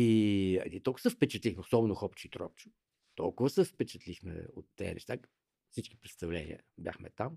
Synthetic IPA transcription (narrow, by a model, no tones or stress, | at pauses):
iɐ̰nit̪ɔlˠkəsɛfpɛt͡ʃɐt̪lixmɛosɔbɛnoʊxɔpt͡ʃʊit̪ɾɔ̰p̚t͡ʃʊ̥ | t̪ɔ̰lˠkʊvəsɛfpɛt͡ʃɐt̪lixmɛ̰ot̪ːɛ̰ːnʔɛ̰ʃt̪a | fsit͡ʃki̥pɾɛt̪st̪ɐvlɛnʲḭə̰bʲja̰xmɛ̰t̪am